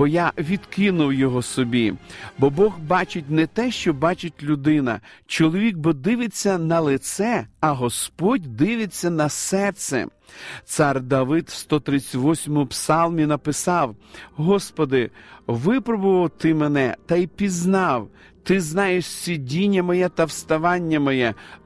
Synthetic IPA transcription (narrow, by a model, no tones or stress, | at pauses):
bɔjaʋʲid̪kɪnʊwjɔɦɔsɔbʲibɔbɔɣbɑt͡ʃɪt̚ʲnɛt̪ɛʃt͡ʃɔbɑt͡ʃɪt̚ʲlʲʊd̪ɪnɐ̰ | t͡ʃɔlˠɔʋʲik̚bɔd̪ɪʋɪt͡sʲːɐnɐlˠɪt̪sɛɐɦɔspɔdʲd̪ɪʋɪt͡sʲːɐnɐsɛrt̪sɛ̰ | t̪sɑrd̪ɐʋɪd̪wst̪ɔt̪ɾɪt͡sʲɐʋɔsʲmɔpsɑlˠmʲinɐpɪsɑwɦɔspɔd̪ɪʋɪpɾɔbʊʋɐwt̪ɪmenɛt̪ɐjpʲiznɑw | t̪ɪznɑjeʃsʲidʲinʲːɐmɔjɛt̪ɐwst̪ɐʋɑnʲːɐmɔjɛ